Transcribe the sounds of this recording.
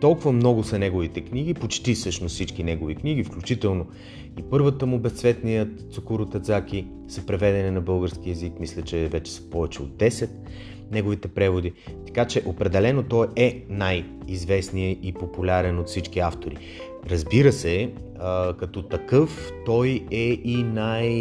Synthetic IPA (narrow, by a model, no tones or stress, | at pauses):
t̪ɔlˠkʊvəmnɔɡʊsɐnɛɡovit̪ɛkniɡ̟ipot͡ʃt̪ifsɤʃnost̪sit͡ʃkinɛɡovikniɡifklʲut͡ʃit̪ɛlˠno | ipɤɾvət̪əmʊbɛst̪svɛt̪nijət̪sokoɾʊt̪ɐt̪zaki | sɐpɾɛvɛd̪ɛninɐbɤlˠɡəɾskiɛzikmislʲət͡ʃɛvɛt͡ʃɛ̥sə̥pɔvɛt͡ʃɛod̪̚d̪ɛsɛt̪ | nɛɡʊvit̪ɛpɾɛvod̪it̪ɐ̥kat͡ʃɛʔopɾɛd̪ɛlɛnot̪ɔjɛnaj | izvɛsnijəʔipopulʲaɾɛnot̪fsit͡ʃk̟iaft̪oɾḭ | ɾɐzbiɾəsɛ | əkɐt̪ɔt̪ɐkɤft̪ɔjɛinaj